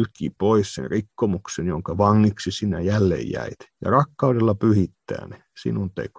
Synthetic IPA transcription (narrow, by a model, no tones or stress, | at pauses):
lkːˑiːpoissḛnrikːomuksenjoŋkɑʋɑŋːiksisinːæjælːḛːjjæ̰it̪jɑ̰rɑkːɑudelːɑpyhit̪ːæ̰ːne | sḭnunt̪ḛko̥